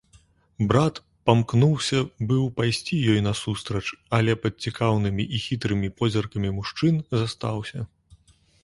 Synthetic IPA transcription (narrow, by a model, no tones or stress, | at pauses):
bɾat̪ | pamknuwsʲɐbɨwpajsʲt͡sʲijɔjnɐsust̪ɾɐt͡ʂɐlʲɛpɐt̪̚t͡sʲikʰawnɨmʲiʔixʲit̪ɾɨmʲipɔzʲɐrkɐmʲimuʂt͡ʂɨnzast̪awsʲɐ